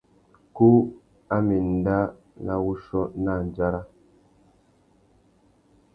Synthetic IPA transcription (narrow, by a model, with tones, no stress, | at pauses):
ku˦ | a˦mi˨n̩˨da˦ | la˦wu˦ʃɔ˦na˦˨n˨d͡ʒa˦ɾa˦